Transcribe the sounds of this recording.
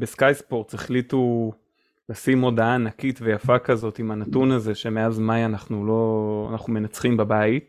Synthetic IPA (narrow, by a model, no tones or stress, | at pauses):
beskajspo̞ʁt͡seχlitu | lasimo̞daaːnakitve̞jafakazo̞timanatunaze̞ʃe̞me̞azmajanaχnulo̞a̰naχnume̞nat͡sχimbabait